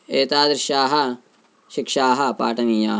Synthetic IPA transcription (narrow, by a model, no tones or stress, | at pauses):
eːt̪aːd̪ɾʃaːɦɐ | ʃɪkʃaːɦɐpa̰ːʈɐniːjaː